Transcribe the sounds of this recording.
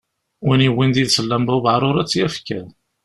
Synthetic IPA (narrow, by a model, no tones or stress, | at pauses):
winiwind̪iðsəlːæmbævʕɾˤʊɾˤæt͡sːjæfkæ